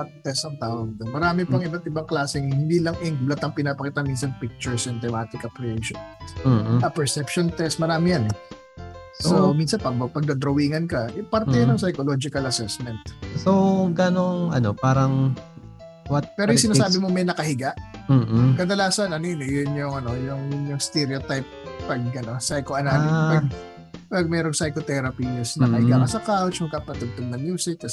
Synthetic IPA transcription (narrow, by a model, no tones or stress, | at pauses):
t̪̚t̪ɛst̪ɐŋt̪aːwɐɡ̚d̪omɐɾaːmɪpɐŋʔɪbat̪ɪbaŋklaːsɛŋhhɪnd̪iːlɐŋɛŋɡblɐt̪ɐŋpɪnaːpɐkiːt̪ɐnminsɐnpik̚t͡ʃʊɹsɪnt̪ɛmaːt̪ɪkɐplɪeʃon̩ː | ɐpɛɹsɛpʃont̪ɛst̪̚mɐɾaːmɪjan | sominsɐnpɐɡpɐɡ̚d̪ɐd̪ɾɐwiːŋɐnkɐʔɛpɐɾt̪ɛjɐnɐŋsɐjkoloːd͡ʒɪkɐlɐsɛsmɛnt̪̚soɡɐnoŋʔɐ̰nopaːɾɐŋ | wat̪̚pɛːɾojsɪnasaːbɪmomɐjnɐkɐhɪɡaʔm̩ːkɐd̪ɐlaːsɐnɐninɪjʊnjʊŋɐno̞jʊŋjʊŋst̪ɛɾɪot̪ajp̚pɐɡ̚ʔɐno̞sajkoʔɐnaːpɐɡ | pɐɡ̚mɛːɾoŋsɐjkot̪ɛɾɐpisnɐkɐhɪɡakɐsɐkawt͡ʃmɐɡkapɐt̪ʊɡ̚t̪ʊɡ̚nɐŋjuːsɪt͡ʃs